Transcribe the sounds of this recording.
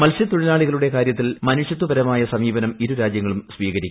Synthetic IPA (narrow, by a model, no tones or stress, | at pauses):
mɐlɕjɐt̪uɻilaːɭiɣɐɭuɽe̞kaːɾjɐt̪ːilmɐnuʂjɐt̪ːubɐɾɐmaːjɐsɐmiːbɐnɐmiɾuɾaːd͡ʑjɐŋːɐɭumsʋiːɣɐɾikʲː